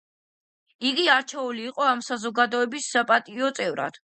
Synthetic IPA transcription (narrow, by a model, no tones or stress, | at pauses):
iɡiaɾt͡ʃʰɛuliːqʼɔamsazɔɡad̪ɔɛbisːapʼat̪ʼiɔt̪sʼɛvɾa̰d̪̥